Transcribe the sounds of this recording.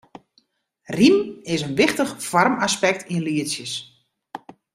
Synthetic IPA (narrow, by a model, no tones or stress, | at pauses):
rimɪsənʋɪxtəxfɔrmaspɛk̚tʰinliəsjəs